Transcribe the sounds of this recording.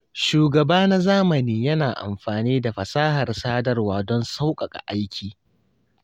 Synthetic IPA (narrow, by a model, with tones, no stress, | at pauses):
ʃuː˨ɡɐ˨baː˦na˦zaː˦mɐ˨niː˦jɐ˦naː˨ʔa̰˨mɸaː˨niː˦da˨ɸɐ˨saː˦hɐ˨rsaː˦dɐ˦rwaː˨dɔ˦nsa˦wkʼɐ˨kʼa̰˨ʔa˦jkʲʰiː˨